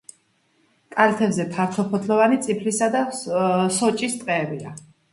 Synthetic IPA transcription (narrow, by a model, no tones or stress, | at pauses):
kʼalɛt̪ʰɛbzɛpʰaɾt̪ʰɔpʰɔt̪ʰlɔvanit̪sʼipʰlisad̪asɔt͡ʃʼist̪ʼqʼɛːbia̰